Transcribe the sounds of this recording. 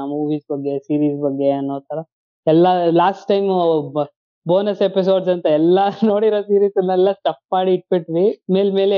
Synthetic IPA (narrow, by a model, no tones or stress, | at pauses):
muːʋiːsbɐɡːesiːɾiːsbɐɡːe̞ɐnːoːt̪ɐɾɐ | ɛlːɐlaːsʈʈːɐjm | boːnɐsepis̬o̞ːɖs̬ɐnt̪ɐɛlːɐnoːɽiɾoːsiːɾiːsɐlːɛlːɐsʈɐp̚maːɽiːʈ̚beʈʋime̞ːlme̞ːle